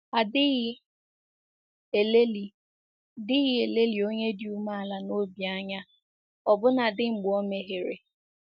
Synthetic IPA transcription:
a˨dɪ˦ɣ | le˦li˨ | dɪ˦ɣɪ˦e˨le˦li˨o˦ɲe˦dju˦ma˦a˨la˨no˦bi˨a˦ɲa˦ | ɔ˨bʊ˦na˨dɪ˦ŋ͡m̩˨ɡ͡bɔ˦me˨ɦe˨ɾḛ˨

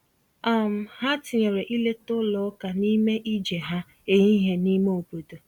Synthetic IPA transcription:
a˦˨m̩˨ɦa˦tɪ˨ɲe˨ɾe˨ʔi˦le˦tʊ˦lɔ˨˦ka˨ni˦me˦ʔi˦d͡ʒe˨ɦa˦ | e˨ɲi˦ɦe˦ni˦me˦o˨po˨to˨

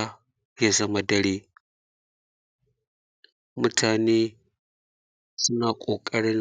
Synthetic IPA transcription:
a˦ | ja˦zɐ˦ma˨dɐ˦ɽeː˦ | mʊ˦tʰaː˨neː˦ | sʊ˦naː˨kʷʼoː˨kʼɐ˦ɽɪ˦n

